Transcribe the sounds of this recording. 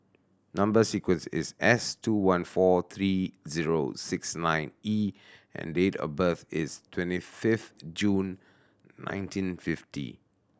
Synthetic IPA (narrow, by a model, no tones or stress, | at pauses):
nãmbəsikwə̃nsɪ̰sɛstuwãnfɔt̪ʰɹiziɹo̰sɪksnãɪ̃ni | ɛ̰̃ndetɔ̰bəθɪstʰwɛ̃ntifɪfd͡ʒũn | nã̰ɪ̃ntʰĩnfɪftḭ